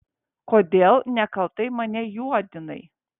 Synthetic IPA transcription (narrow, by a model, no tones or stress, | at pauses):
koːd̪ʲeːlˠnʲɛkɐlˠt̪ɐɪmɐnʲɛjuɔd̪ʲɪnɐ̰ɪ